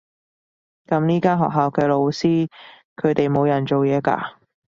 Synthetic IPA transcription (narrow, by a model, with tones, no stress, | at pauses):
kɐ˨˧˥mniː˥kaː˥ɦɔ̰ː˨k̚ɦaː˨wkɛː˧lo˨˧wsiː˥ | kʰɵ˨˧ɥt̪e˨jmo˨˧wjɐ˨˩nt͡ʃo˨wjɛː˨˧ka̰ː˧